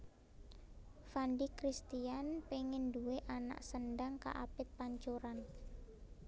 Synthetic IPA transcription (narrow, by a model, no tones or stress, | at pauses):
fandikɾist̪ianpeŋɪnduweʔana̰ʔsənɖaŋka̰ʔapɪt̪̚paɲt͡ʃoɾan